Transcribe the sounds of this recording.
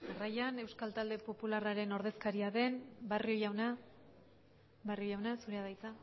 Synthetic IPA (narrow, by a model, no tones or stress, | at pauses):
arajane̞wskalt̪ald̪e̞po̞pularaɾe̞no̞ɾðe̞skaɾiaðe̞nbario̞jawna | bariojawnasuɾe̞aðajt͡sa